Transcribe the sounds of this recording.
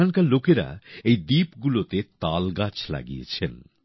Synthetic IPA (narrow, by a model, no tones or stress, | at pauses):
ankaɾlokeɾa̰ejd̪ipɡulot̪et̪alɡat͡ɕʰla̰ɡḭjḛt͡ɕʰen